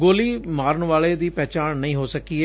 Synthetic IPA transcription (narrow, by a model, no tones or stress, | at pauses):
ɡoːliːmaːɾəɳʋaːɭeːd̪iːpɛːt͡ʃaːnːəĩːɦoːsəkiːeː